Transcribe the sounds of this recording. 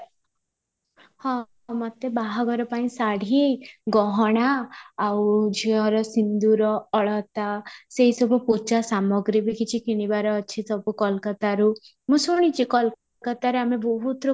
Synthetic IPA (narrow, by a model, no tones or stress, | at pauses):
hɔ̃ | mɔt̪ebaɦɔɡɔɾɔpaĩsaɽ̤ʱiɡɔɦɔɽ̃aːwd͡ʒiɔɾɔsind̪uɾɔɔɭɔt̪aseɦisɔbʱuput͡ʃasamɔɡɾibikʰit͡ʃʰikiɽ̃ibaɾɔːt͡ʃʰisɔbʱukɔlkɔt̪aɾu | mũsuɽ̃it͡ʃʰikɔl | kɔt̪aɾeamebɔɦut̪ɾu